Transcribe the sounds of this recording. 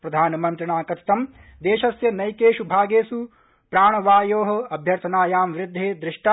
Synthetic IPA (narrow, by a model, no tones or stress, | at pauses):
pɾɐd̪ʱaːnɐmɐnt̪ɾɐɳaːkɐt̪ʰi̥t̪ɐm | d̪eːʃɐsjɐnɐjkeːʃubʱaːɡeːsu | pɾaːɳ̃ɐʋaːjoːɦɐ̆ɐbʱjɐɾt̪ʰɐnaːjaːmʋɾɪd̪ʱːeːd̪ɾɪʂʈa